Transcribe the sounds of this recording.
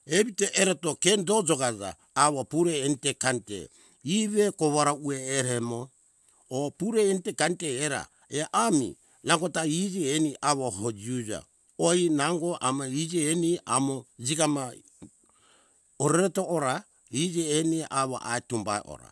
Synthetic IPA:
eβiteʔeɾotokendod͡ʒoɡad͡ʒa̰ː | βopuɾentekantḛ | iβekoβaɾaueːɾemoː | puɾeːntekanteːɾa̰ | eʔamḭ | naŋɡotaid͡ʒieniʔaβoɦod͡ʒiud͡ʒa̰ | oinaŋɡoʔamaid͡ʒeeniʔa̰mod͡ʒiɡama | oɾeɾetooɾa | id͡ʒeːniʔaβo̰ʔa̰etumba̰eʔo̰ɾa̰

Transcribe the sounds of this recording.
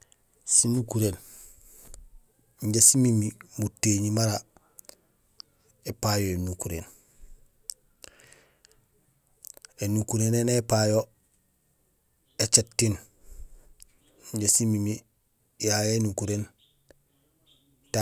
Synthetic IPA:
sinukuɾen | ɲɟesimimimutːeɲimaɾa | epajoenukuɾen | enukuɾenenepajo | et͡ʃetːin | ɲɟesimimi | jajenukuɾen | ta

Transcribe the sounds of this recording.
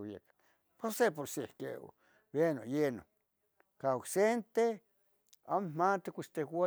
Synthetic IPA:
jḛkḁ | posep̬oɾsikḛ | benojeno̰ | kaoksent̪e | ammat̪ekʷist̪ewa

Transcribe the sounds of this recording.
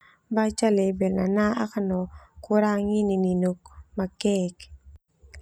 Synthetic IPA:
bat͡ʃalebɛlnanaa̰kanɔkʊɾaŋinininok̚makɛk

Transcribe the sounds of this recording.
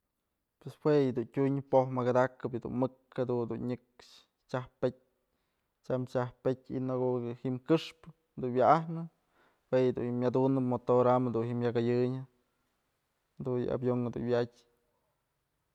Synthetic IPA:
pweswejɨd̪untʲuɲpohmaɡad̪akːɨpɨd̪ṵnmɨkhed̪und̪unɲɨkʂ | t͡ʃahpet̚ʲ | t͡ʃamt͡ʃahpetʲḭnoɡohimkɨʂpɨ | d̪unwjaʔahnɨ | wejd̪ṵnhimʲːjad̪unɨpmot̪oɾamed̪unhimjaɡajɨɲɨ | d̪unjɨ̰a̰bjoŋhɨd̪ṵnwʲjatʲ

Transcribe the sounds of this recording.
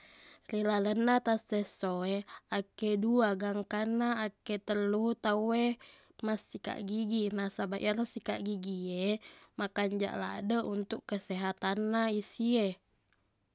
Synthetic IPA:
rilalənːat̪asesoeakeduaɡaŋkanːaːket̪ərluut̪aue | masːika̰ʔɡiɡinasaba̰ʔjaɾosikaʔɡiɡiemakaɲd͡ʒa̰ʔla̰dəʔunt̪ukːəsɛɦat̪anːaisie

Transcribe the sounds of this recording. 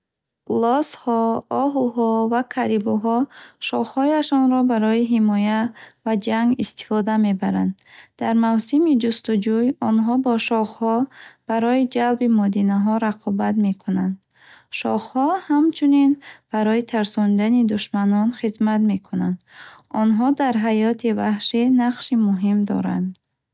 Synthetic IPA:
lɔshɔɔɦuɦɔvakʰaɾibuɦɔʃɔχhɔjaʃɔnɾɔbaɾɔiɦimɔjavad͡ʒaŋɡist̪i̥fɔd̪ame̞baɾand̪d̪aɾmawsimid͡ʒust̪ud͡ʒujɔnɦɔbɔʃɔχhɔb̥aɾɔjid͡ʒalbimɔd̪inaɦɔɾaqʰɔbat̪me̞kʰunand̪ | ʃɔ̰χhɔhamt͡ʃʰuninb̥aɾɔjit̪ʰaɾsɔnd̪anid̪uʃmanɔnχizmat̪me̞kʰunand̪ | ɔnɦɔd̪aɾɦajɔt̪ʰivahʃinaqʃimuɦimd̪ɔ̰ɾa̰nd̪

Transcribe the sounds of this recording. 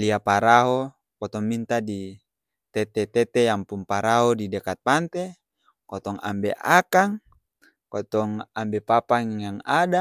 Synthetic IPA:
liapaɾaɦo | kɔt̪ɔŋmint̪adi | t̪ɛt̪ɛt̪ɛt̪ejaŋpuŋpaɾaɦodidɛkat̪̚pant̪e | kɔt̪ɔŋa̰mbeʔakaŋ | kɔt̪ɔŋambepapaŋjaŋada

